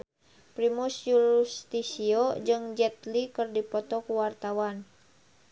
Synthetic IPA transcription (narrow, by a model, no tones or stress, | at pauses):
pɾimusjuɾust̪isiod͡ʒɨŋd͡ʒɛt̪likɨrdipɔt̪ɔkuwart̪awan